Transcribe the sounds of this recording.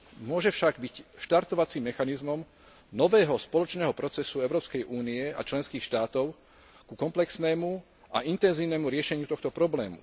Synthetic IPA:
mʊɔʒɛfʃaɡbicʃt̪aɾt̪ɔʋat͡simːɛxanizmɔm | nɔʋɛːɦɔspɔlɔt͡ʃnɛːɦɔpɾɔt͡sɛsuɛʊɾɔːpskɛjʔuːniɛa̰t͡ʃlɛnskiːxʃt̪aːt̪ɔʊ | kukɔmplɛksnɛːmu | ʔaʔint̪ɛnziːʊnɛːmuɾɪɛʃɛɲɪut̪ɔxt̪ɔpɾɔblɛːmṵ

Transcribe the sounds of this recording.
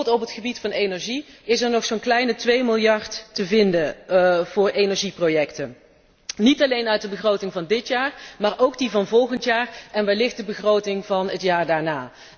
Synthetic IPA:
tɔpɦətχəbitfɑnejnɛɹʒiɪsɛɹnɔχsoːnklɛjnətʋejmɪlˠjɑɹttəvɪndəv̥ʊːɹejnɛɹʒiprowjɛktə | nitɑlejnœɥt̚dəbəχrowtɪŋvɑndɪtjaːɹmaːɹʔowɡdivɑnvɔlˠχəntjaːrɛnʋaːɹlɪχt̚dəbəχrowtɪŋvɑnətjaːɹdaːɹnaː

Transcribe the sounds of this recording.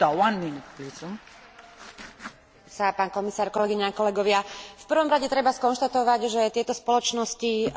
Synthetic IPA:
t̪ɔwanminpit͡sum | sapaːnkɔmisaːɾkɔlɛɡiɲɛakɔlɛɡɔʋɪafpr̩ʋɔmɾaɟɛt̪ɾɛbaskɔnʃt̪at̪ɔʋaɟʒɛt̪ɪɛt̪ɔspɔlɔt͡ʃnɔsci

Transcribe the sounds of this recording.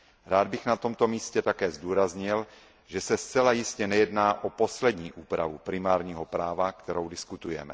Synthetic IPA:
ɾaːd̪̚bɪxnat̪o̞mt̪o̞miːscɛt̪akɛːzd̪uːɾazɲɪl | ʒɛsɛst͡sɛlajɪscɛnɛjɛdnaːʔopo̞slɛd̪ɲiːʔuːpɾa̰vupɾɪmaːɾɲiːɦopɾaːvakt̪ɛɾowdɪskut̪ujɛ̰mɛ̰

